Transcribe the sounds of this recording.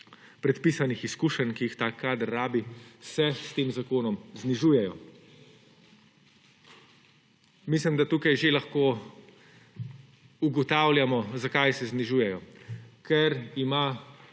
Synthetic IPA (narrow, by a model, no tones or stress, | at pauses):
pɾɛt̪piːsanixiskuːʃənkijixt̪aːkːaːd̪ɾːaːbisɛst̪eːmzakoːnɔmzniʒuːjɛjɔ | mislimd̪at̪uːkajʒelaxkoː | uɡɔt̪aːwlʲjamɔzakajsɛzniʒuːjɛjɔkʰɛɾima